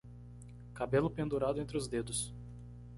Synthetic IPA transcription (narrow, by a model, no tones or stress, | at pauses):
kabelʊpẽnd̪uɾad̪ʊẽnt̪ɾɪʊzd̪ed̪ʊs